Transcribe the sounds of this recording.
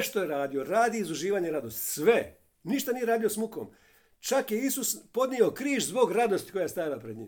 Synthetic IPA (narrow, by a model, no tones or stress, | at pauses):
ʃt̪ojeɾaːd̪io̞ɾaːd̪iːzuʒiːʋaːɲeɾad̪ost̪sʋe | niʃt̪anije̞ɾaːd̪ijosmukoːm | t͡ʃakje̞isuspo̞d̪nio̞kɾiːʃzbo̞ɡɾad̪o̞st̪i̥ko̞jajst̪ajilapɾed̪ɲḭːm